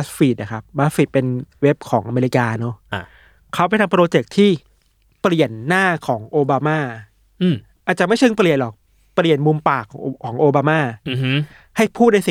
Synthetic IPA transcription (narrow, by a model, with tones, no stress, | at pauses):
a˦˥sfiː˨˩na˨˩kʰa˦˥p̚ba˦˥s̚fi˨˩t̪̚pe˧nwe˦˥p̚kʰɔː˩˦ŋʔa˧meː˧ɾi˧˥kaː˧nɔ˦˥ | kʰa˦˥wpa˧jt̪ʰa˧mpɾoː˧t͡ɕe˨˩k̚t̪ʰiː˥˩ | pli˨˩ənːaː˥˩kʰɔː˩˦ŋʔoː˧baː˧maː˥˩ | ʔaː˨˩t͡ɕa˨˩ma˥˩jt͡ɕʰɯ˧ŋpli˨˩ənlɔ˨˩k̚ | pli˨˩ənmu˧mpaː˨˩kʰːkʰːɔː˩˦ŋʔoː˧baː˧maː˥˩˧ | ha˥˩jpʰuː˥˩t̪̚na˧si˨